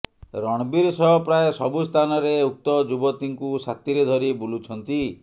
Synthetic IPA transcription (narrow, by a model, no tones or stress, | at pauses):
ɾɔɽ̃biɾsɔɦɔpɾaesɔbust̪ʰanɔɾeuk̚t̪ɔd͡ʒubɔt̪iŋkusat̪iɾed̪ʱɔɾibulut͡ʃʰɔnt̪i